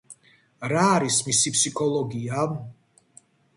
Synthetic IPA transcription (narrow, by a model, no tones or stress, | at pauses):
ɾaːɾismisipʰsikʰɔlˠɔɡia